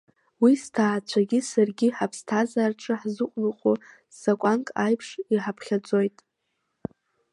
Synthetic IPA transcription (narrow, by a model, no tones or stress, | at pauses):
wistʰaːt͡ɕʷʰaɡʲisarɡʲiħapʰstʰazarʈ͡ʂʼɨħzɨqʷʼluqʷʼu | ssakʷʼankʼajpʰʂiħapʰχʲad͡zo̞jtʼ